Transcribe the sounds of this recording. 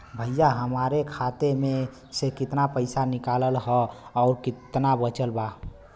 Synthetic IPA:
bʱəjjaɦəmaɾekʰat̪emẽ | sekɪt̪napəɪsanɪkaːləlɦɔɔʊɾkɪt̪nabət͡ʃəlba

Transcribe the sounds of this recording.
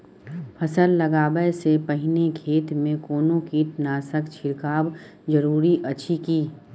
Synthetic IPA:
pʰɐsəlːɐɡaːbəsepɐɦɪnekʰeːt̪mẽkoːnõkiʈnaːsəkt͡ʃʰɪɾkaːb | zɐɾuːɾiʔɐtːʃʰikiː

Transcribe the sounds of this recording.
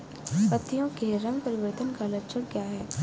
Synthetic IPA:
pɐt̪ːijõkeɾɐŋpɐɾɪʋəɾt̪ənkalɐtːt͡ʃʰəkkjaːɦɛː

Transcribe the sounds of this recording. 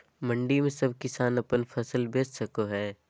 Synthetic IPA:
mɐ̃ɳɖimẽsɐb̚ʱkɪsaːnɐpənpʰɐsəlbeːssɐkoɦɛː

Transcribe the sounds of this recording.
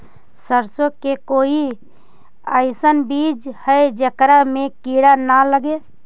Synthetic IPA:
səɾsokekoːi | əɪsənbid͡ʒhəed͡ʒəkɾamekiɽanaləɡe

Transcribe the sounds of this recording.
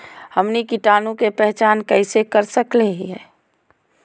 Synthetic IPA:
həmnikɪʈaːnũkepɛɦt͡ʃaːnkəɪsekəɾsəkleɦiɦɛː

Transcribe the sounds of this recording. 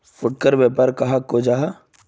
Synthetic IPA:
fʊʈ̚kəɾbɛːpəɾkɐɦakoːd͡ʒaːɦ

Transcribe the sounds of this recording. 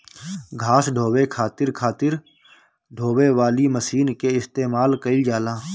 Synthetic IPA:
ɡʱaːsɖʱoːwekʰaːt̪ɪɾkʰaːt̪ɪɾ | ɖʱoːʋeʋaːliməsiːnkeɪst̪eːmaːlkəɪd͡ʒaːlãː

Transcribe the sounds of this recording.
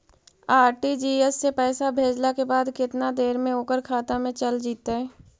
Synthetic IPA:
aːɾʈid͡ʒiːɛsːepɛːsabʱeːd͡ʒlakebaːd̪kɪt̪nad̪eːɾmẽoːkəɾkʰaːt̪amẽt͡ʃəld͡ʒiːt̪aɦɛː

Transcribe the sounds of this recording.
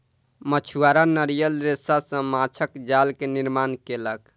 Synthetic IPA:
mət͡ʃʰuaɾanəɾijəlɾesasə̃mat͡ʃʰəkd͡ʒalkeniɾmankelək

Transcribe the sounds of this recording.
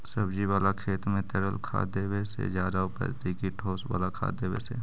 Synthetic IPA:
səbd͡ʒiʋaːlakʰeːt̪mẽt̪ɛɽəlkʰa̰ːd̪eːwesḛd͡ʒjaːd̪aʊpə̰d͡ʒt̪ikiʈʰoːswa̰ːlakʰa̰ːd̪eːwḛsḛ

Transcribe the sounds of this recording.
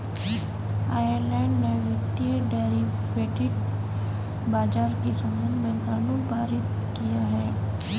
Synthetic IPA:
aːjəɾlɛːɳɖneʋɪt̪jəɖeːɾi | ʋeːʈɪɖ | baːd͡ʒaːɾkisɐmənbɛ̃ŋkanũpaːɾɪt̪ | kijaɦɛː

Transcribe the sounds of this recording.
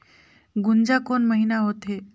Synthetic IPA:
ɡund͡zakonməɦinaɦot̪e

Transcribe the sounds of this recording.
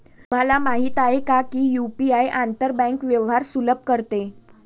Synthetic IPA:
m̤alamaɦiːt̪aɦekakiːjupiajʔant̪əɾbə̃ŋkʋjəʋɦaɾsuləb̚kəɾt̪e

